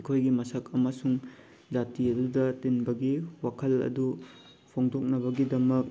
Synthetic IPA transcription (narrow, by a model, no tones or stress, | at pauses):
kʰojɡimɐsɐkɐmɐsuŋ | d͡ʒatiɐdudɐtinbɐɡiwakʰɐlɐ̰du | pʰoŋdok̚nɐβɐɡidɐmɐk̚